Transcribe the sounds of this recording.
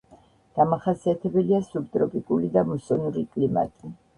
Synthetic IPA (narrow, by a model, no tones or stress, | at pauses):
ɡ̥amaχasiat̪ʰɛbɛliasubt̪ʼɾɔpʼikʼulid̪amusɔnuɾikʼlima̰t̪ʼi